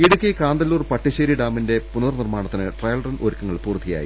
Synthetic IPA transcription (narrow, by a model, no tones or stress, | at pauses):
iɽukːekaːnd̪ɐlːuːrpɐʈːiɕeːɾiɖaːminde̞punɐɐrnirmaːɳɐt̪ːinɨʈrɐjɐlrɐnʔo̰ːɾukʲːɐŋːɐɭpuːrt̪ʰːija̰ːjḭ